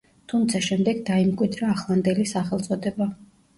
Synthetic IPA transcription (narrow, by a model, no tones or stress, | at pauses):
t̪ʰumt̪sʰaʃɛmd̪ɛɡd̪aimkʼwid̪ɾaːχlˠand̪ɛlisaχɛlˠt̪sʼɔd̪ɛba